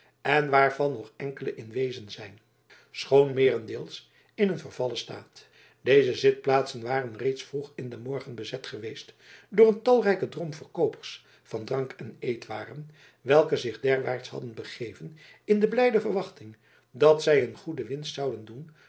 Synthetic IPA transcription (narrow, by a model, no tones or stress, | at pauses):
ɛnʋaːɹv̥ɑnːɔχɛŋkələʔɪnʋejzənzɛjn | sχownmɪːrɛndɪːlˠs | ɪnənvəɹvɑləsta̰ːt | dejzəzɪt̚plaːtsənʋaːrənrejtsfruχɪndəmɔɹχənbəzɛtχəʋejst | dʊːɹəntɑlˠrɛjkədromfərkowpəɹs | fɑndrɑŋkɛnejtʋaːrən | ʋɛlˠkəzɪχdɛɹʋa̰ːɹtsɦɑ̰dənbəχejvən | ɪndəblɛjdəvərʋɑχtɪŋ | dɑtsɛjənχudəʋɪnstsɑwdəndun